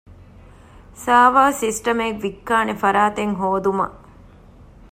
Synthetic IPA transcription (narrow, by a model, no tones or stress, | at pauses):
saːʋaːsisʈɐmekʋikːaːnefɐɾaːt̪eŋɦoːd̪umɐ̰